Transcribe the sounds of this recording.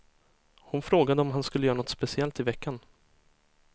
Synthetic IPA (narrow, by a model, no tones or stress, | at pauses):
hʊnfɾoːɡad̪əɔmɦanskɵləjœːɾanɔt̪spɛsɪɛlt̪ɪvɛkːan